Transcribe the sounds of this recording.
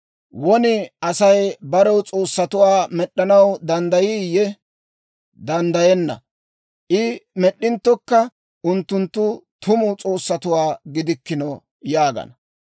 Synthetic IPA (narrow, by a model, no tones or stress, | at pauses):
wɔnɪʔɐsɐjbɐɾɛwt͡sʼo̞ːsːɐt̪ʊwaːmɛɗːɐnɐwd̪ɐnd̪ɐjɪjɛ | d̪ɐnd̪ɐjɛnːɐ̰ | ʔɪmɛɗːɪnt̪ːɔkːɐ | ʊnt̪ːʊnt̪ːʊt̪ʰʊmʊt͡sʼo̞ːsːɐt̪ʊwaːɡɪd̪ɪkːɪnɔ | jaːɡɐ̰nɐ